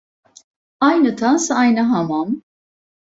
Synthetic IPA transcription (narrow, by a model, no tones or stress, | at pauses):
ajnɨt̪ʰasajnaɦamam